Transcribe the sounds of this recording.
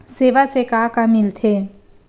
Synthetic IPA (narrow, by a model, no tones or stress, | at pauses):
seːʋasekaːkamɪlt̪ʰe